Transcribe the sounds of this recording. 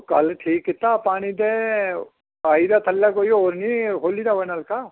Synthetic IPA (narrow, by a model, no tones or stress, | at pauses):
kɐlʈʰiːkit̪ːapaːɽ̃id̪e | aːid̪at̪ɐlːakoːjooːɾniɦoːlid̪aʋɐnɐlka